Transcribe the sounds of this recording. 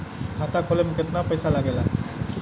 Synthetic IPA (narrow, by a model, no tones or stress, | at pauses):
hatakʰɔlɛmʊkɛtnapɔjsalaɡɛla̰